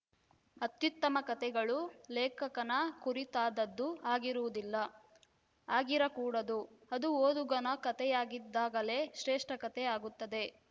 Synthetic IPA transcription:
ɐt̪jut̪ːɐmɐkɐt̪ɛɡɐɭulɛːkɐkɐnɐkuɾit̪aːd̪ɐd̪ːuaːɡiɾuʋud̪ilːɐ | aːɡiɾɐkuːɽɐd̪uɐd̪uoːd̪uɡɐnɐkɐt̪ɛjaːɡid̪ːaːɡɐle̞ːʃɾeːʂʈɐkɐt̪ɛaːɡut̪ːɐd̪e̞

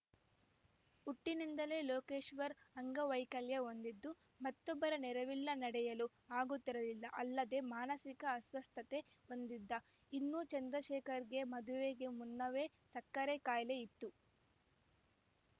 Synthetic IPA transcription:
uʈːinind̪ɐle̞ːloːkeːʃʋɐɾɐŋɡɐʋɐjkɐljɐɦo̞nd̪id̪ːu | mɐt̪ːɔbːɐɾɐnɛɾɐʋilːɐnɐɽɛjɐlu | aːɡut̪ːiɾɐlilːɐʔɐlːɐd̪e̞maːnɐsikɐːsʋɐst̪ʰɐt̪e̞ | o̞nd̪id̪ːɐ | inːut͡ʃɐnd̪ɾɐʃɛːkɐɾɡe̞mɐd̪uʋeːɡemunːɐʋe̞ː | sɐkːɐɾekaːjɐleit̪ːu

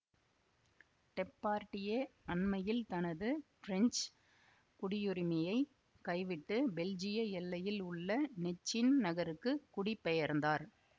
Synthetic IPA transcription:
ʈɛpːaːɾʈːɪjeɐɳmɐjɪlt̪ɐnɐðɯfɾɛɲt͡ʃ | kʊɽɪjɯɾɪmɐjɐɪ | kɐɪʋɪʈːɯbɛld͡ʒɪjɐɛlːɐjɪlʊɭːɐnɛt͡ʃːɪnnɐɣɐɾɯkːɯkʊɽɪpːɛjɐɾnd̪aːɾ

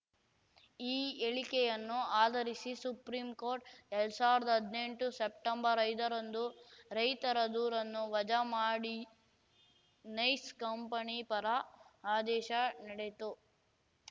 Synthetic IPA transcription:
iːeɭikɛjɐnːuaːd̪ɐɾisisupɾiːmko̞ːɾʈɛɭɽusaːʋiɾɐd̪ɐɦɐd̪ne̞ɳʈusepʈɐmbɐɾɐjd̪ɐɾɐnd̪uɾɐjt̪ɐɾɐd̪uːɾɐnːuʋɐd͡ʒɐmaːɽi | nɐjskɐmpɐnipɐɾɐaːd̪ɛːʃɐnɐɽet̪u

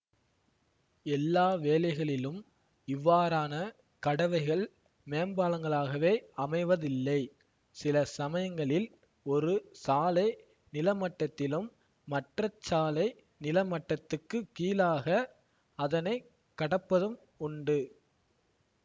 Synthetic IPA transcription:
ɛlːaːʋeːlɐɪɣɐɭɪlɯm | ɪʋːaːɾaːnɐ | kɐɽɐʋɐɪɣɐɭ | meːmbaːlɐŋɡɐɭaːɣɐʋeːɐmɐɪʋɐðɪlːɐɪ | sɪlɐsɐmɐjɐŋɡɐɭɪl | ɔɾɯsaːlɐɪ | nɪlɐmɐʈːɐt̪ːɪlɯmː | ɐʈrɐt͡ʃːaːlɐɪ | nɪlɐmɐʈːɐt̪ːɯkːɯkiːlaːɣɐ | ɐðɐnɐɪ | kːɐɽɐpːɐðɯm | ʊɳɖɯ

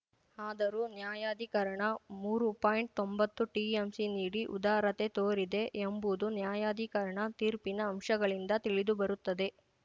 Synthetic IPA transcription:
aːd̪ɐɾuːnjaːjaːd̪ʱikɐɾɐɳɐmuːɾupaːjɳʈ̚t̪ombɐt̪ːuʈiːemsiniːɽiʔṵd̪aːɾɐt̪e̞t̪oːɾid̪e̞ʔembuːd̪unjaːjaːd̪ʱikɐɾɐɳɐt̪iːɾpinɐːmʂɐɡɐɭind̪ɐt̪iɭid̪ubɐɾut̪ːɐd̪e̞

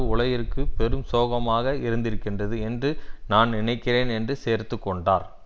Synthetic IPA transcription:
ʊɭɐjɪɾkːɯpɛɾɯmsoːɣɐmaːɣɐɪɾɯnd̪ɪɾɯkːɪndrɐðɯɛndrɯnaːnnɪɳɐɪkːɪreːnɛndrɯseːɾt̪ɯkːɔɳɖaːɾ

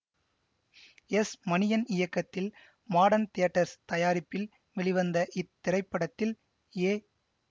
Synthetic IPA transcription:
ɛsmɐnɪjɐnɪjɐkːɐt̪ːɪl | maːɽɐnt̪eːɐʈːɐɾst̪ɐjaːɾɪpːɪl | ʋɛɭɪʋɐnd̪ɐʔɪt̪ːɪɾɐɪpːɐɽɐt̪ːɪl | eː

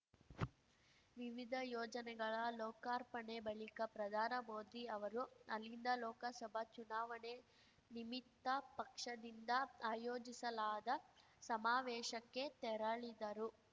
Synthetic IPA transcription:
ʋiʋid̪ʱɐjɔːd͡ʒɐnɛɡɐɭɐlɔːkaːɾpɐɳebɐɭikɐpɾɐd̪ʱaːnɐmoːd̪iɐʋɐɾuɐlːind̪ɐlɔːkɐsɐbʱɐt͡ʃunaːʋɐɳe | nimit̪ːɐpɐkʂɐd̪ind̪ɐaːjoːd͡ʒisɐlaːd̪ɐ | sɐmaːʋɛːʃɐkːe̞t̪ɛɾɐɭid̪ɐɾu

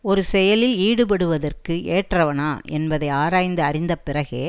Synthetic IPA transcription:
ɔɾɯsɛjɐlɪliːɽɯpɐɽɯʋɐðɐrkɯeːʈrɐʋɐnaːʔɛnbɐðɐɪaːɾaːjnd̪ɯɐɾɪnd̪ɐpɪrɐɣeː

